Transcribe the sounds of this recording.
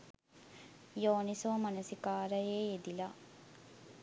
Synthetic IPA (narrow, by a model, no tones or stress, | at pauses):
joːnisoːmɐnɐsikaːɾɐjeːed̪ilaː